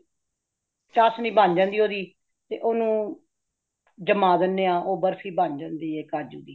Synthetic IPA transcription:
t͡ʃaːsniːbãːnd͡ʒãːnd̪iːoːd̪iː | t̪eːʔoːnũː | d͡ʒəmaːd̪ɪnːeːãːʔoːbəɾsiːbaːnd͡ʒãːnd̪iːeːkaːd͡ʒuːd̪iː

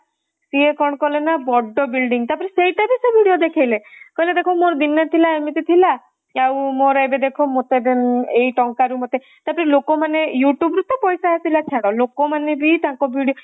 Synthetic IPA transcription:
siekɔɽ̃ɔkɔlenabɔɖːɔbilɖiŋt̪apɔɾisejʈabʱisebʱiɽijod̪ekʰajlekɔɦiled̪ekʰɔmoɾd̪inːat̪ʰilaemit̪it̪ʰila | awmoɾebed̪ekʰomot̪ed̪enejʈɔŋkaɾumot̪e | t̪apɾilokɔmanejuʈjubɾut̪ːɔpɔjsaasilat͡ʃʰeɽ̃ɔlokɔmanebʱit̪ãŋkɔbʱiɽijo

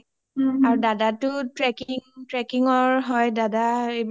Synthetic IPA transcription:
aɹudadatʊtɹɛkiŋtɹɛkiŋɔɹɦɔjdadaeb

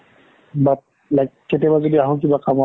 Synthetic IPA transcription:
bat̚ | lakkːetɛbazodiaɦɔ̃k̬ibakama

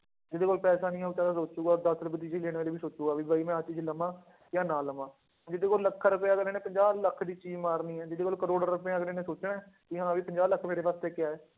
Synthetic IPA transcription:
d͡ʒɪd̪eːkoːlpɛːsaːnĩːɛːuːt͡ʃaːdãːsoːt͡ʃuːɡaːd̪əslbəd̪iːd͡ʒeileːɽ̃ʋaːleːʋiːsoːt͡ʃuːɡaːʋiːbaːiːmɛ̃ːət͡ʃiːd͡ʒləmãː | jãːnaːləmãː | d͡ʒɪd̪eːkoːlləkʰːɾəpeaːɡəleːnẽːpəɲd͡ʒaːbləkʰd̪iːt͡ʃiːd͡ʒmaːɾniːɛːd͡ʒɪd̪eːkoːlkəɾoːɽəɾɾʊpãːɡəleːnẽːsoːt͡ʃnɛː | kiːɦãːʋiːpəɲd͡ʒaːbləkʰːmeːɾeːʋaːst̪eːkɪjaːɛː

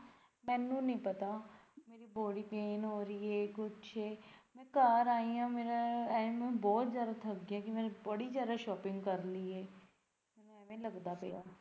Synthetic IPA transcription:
mɛ̃ːnũːnəĩːpət̪aːmeːɾiːboːɽiːpeːnɦoːɾieːkʊt͡ʃːʰeːmɛ̃ːkaːɾaːiːãːmeːɾaɛːmɛ̃ːbɔːt̪zjaːd̪aːt̪ʰəɡaːkɪmɛ̃ːnẽbəɽiːzjaːd̪aːʃɔːpɪ̃ŋɡkəɾliːeː | mmɛ̃ːnũɛːmẽːləɡd̪aːpeːa̰ː

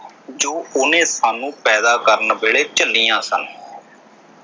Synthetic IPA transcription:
d͡ʒoːʊnẽːsaːnũːpɛːd̪aːkəɾənbeːɭeːt͡ʃəlːiːãːsən

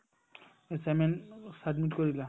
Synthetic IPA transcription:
esɛmɛnsadmitkoɹila

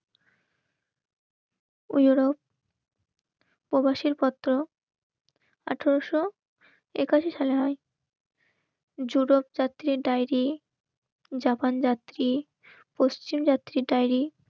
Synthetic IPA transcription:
ujuɾop̚ | pːɾobaʃiɾpɔt̪ːɾo | aʈʰoɾoʃo | ekaʃiʃaleɦɔe | d͡ʑuɾopd͡ʑat̪ːɾiɖajɾi | d͡ʑapand͡ʑat̪ːɾi | post͡ɕimd͡ʑat̪ːɾiɖajɾi

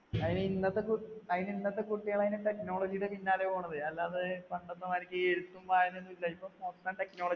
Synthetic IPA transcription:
ɐðinɨinːɐt̪ːe̞kuɐðininːɐt̪ːe̞kuʈːijaːɳɐðineʈe̞kno̞ːɭɐd͡ʑijɽepinːaːlepoːɳːɐðɨɐlːaːðɨpɐɳɖɐt̪ːɐmaːiɾikʲːɨeɾut̪ːumpaːjɐnenːuilːɐipːoːpoːsɐt̪aːʈe̞kno̞ːɭɐ

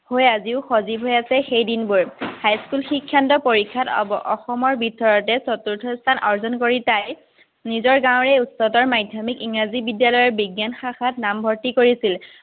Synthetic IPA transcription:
hojaziʊxozibʱɦojasɛxejdinbuɹhajskulxikʰːjantɔpoɹikʰːata̰bɔʔɔxɔmɔɹbitɔɹɔtɛsɔtːuɹtʰɔstʰanʔɔɹzɔnkoɹitaj | nizɔɹɡãw̃ɹɛutsɔtɔɹmajdʱjɔmikiŋɹazibidjalɔjɔɹbiɡjanxaxatnambʱɔɹtikoɹisil

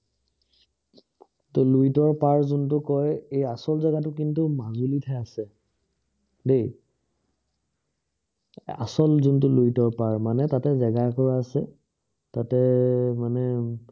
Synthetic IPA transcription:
tluitɔɹpaɹzʊntʊkɔjejasɔlzɛɡatʊkintʊmazulitʰajasɛ | dej | a̰sɔlzuntʊluitɔɹpaɹmanɛtatɛzɛɡakɔɹaːsɛ | tatɛmanɛ

